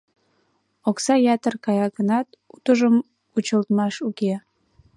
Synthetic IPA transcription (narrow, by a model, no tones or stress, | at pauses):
oksɑjɑt̪ərkɑjɑɡənɑt̪ | ut̪əʒəm | ut͡ɕəlt̪mɑʃuke